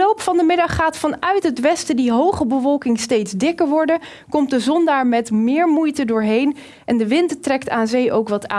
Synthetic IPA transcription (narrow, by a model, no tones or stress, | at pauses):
owpfɑndəmɪdɑχːaːtfɑnœɥtɦətʋɛstədiɦowχəbəvɔlˠkɪŋstejtzdɪkəɹʋɔɹdə | kɔmt̚dəzɔndaːɹmɛtmɪːɹmujtədʊːɹɦejn | ʔɛndəʋɪnttrɛktaːnzejʔowkʋɑta̰ː